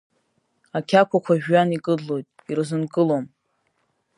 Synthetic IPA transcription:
akʲʰakʷʰakʷʰaʒᶣːanikʼɨɮo̞jtʼiɾzɨnkʼɨlom

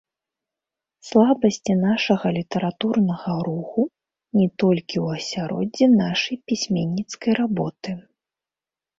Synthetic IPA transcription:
slˠabɐsʲt͡sʲinaʂɐɣɐlʲit̪ɐɾat̪urnɐɣɐɾuxu | nʲɛt̪ɔlʲkʲiwɐsʲaɾɔ̰d͡zʲːinaʂɐjpʲisʲmʲenʲːit̪skɐjɾabɔt̪ɨ

